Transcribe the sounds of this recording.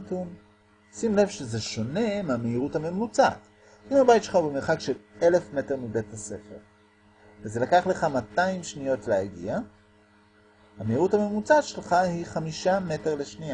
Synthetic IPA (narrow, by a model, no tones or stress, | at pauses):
tun | simle̞vʃeze̞ʃo̞ne̞meameiʁuthame̞mut͡sat | imabajtʃelχaubemeʁχakʃele̞le̞fme̞te̞ʁmibe̞thase̞fe̞̰ʁ | vezelakaχle̞χamataimʃnijo̞tleaɡḭa | hameiʁuthame̞mut͡satʃe̞lχahiχamiʃameteʁle̞ʃnia